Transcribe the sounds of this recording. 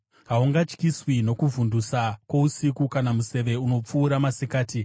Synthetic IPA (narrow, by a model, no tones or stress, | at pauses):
ɦauŋɡat͡ʃkiswino̞kuvundusakwo̞usikukanamuse̞ʋe̞uno̞p͡fuːɾamasikaːti